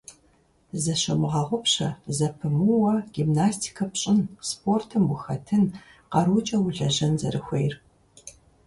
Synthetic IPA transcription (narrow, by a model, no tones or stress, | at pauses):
zɐɕɐmɨʁɐʁʷʊpɕɐzɐpʰɨmuwɐɡ̥imnaːstʰi̥kʰɐpɕʼɪnspʰortʰɨmwʷʊxɐtʰɨn | qɐɾut͡ʃʼɐwʊɮɐʑɐnzɐ̰ɾɨxʷejr